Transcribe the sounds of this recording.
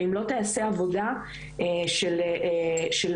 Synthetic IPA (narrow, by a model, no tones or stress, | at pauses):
imlo̞t̪easeavo̞da | eʃel | ʃel